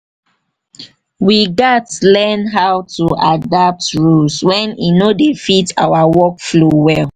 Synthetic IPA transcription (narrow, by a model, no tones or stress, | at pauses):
wiɡatlɛnɦawtuadap̚tɹulswɛ̃nḭnodefita̰wawɔkflowɛl